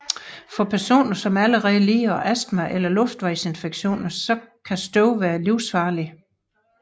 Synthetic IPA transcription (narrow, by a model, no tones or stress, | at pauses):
fɒ̽pʰæɐso̝̰ːnɐsɒ̽mæləʁɛðˠəliːɐʔæsd̥mæʔelɐlɔ̽fd̥ʋɑ̈ɪse̝nfeɡ̥ɕo̝̰ːnɐsɒ̽kʰæsd̥ɔʊʋæːɐliʊsfɑ̈ːli